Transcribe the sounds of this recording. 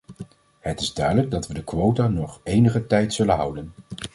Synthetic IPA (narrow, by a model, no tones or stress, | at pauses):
ɦətɪzdœɥdələɡ̚dɑtʋədəkʋowtaːnɔχejnəχətɛjtsɵlənɦʌ̰wdən